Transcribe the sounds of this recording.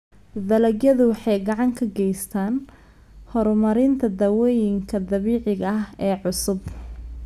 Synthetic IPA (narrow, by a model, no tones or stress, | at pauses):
d̪ɐlɐɡjɐðʊwɑħɑjɡɑʕɑŋkʰɐɡɛjst̪ʰaːn | hɔɾmɐɾɪnt̪ʰɐd̪ɐwɛːjɪŋkʰɐd̪ɐβiːʕɪɣɐɐɦɛːʕʊsʊb